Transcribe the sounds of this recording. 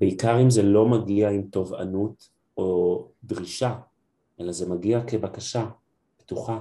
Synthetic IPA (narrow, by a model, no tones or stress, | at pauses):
beikaʁimzelo̞maɡiaimto̞va̰nut | ʔo̞dʁiʃa | ʔe̞lazemaɡiake̞bakaʃa | b̥etuχa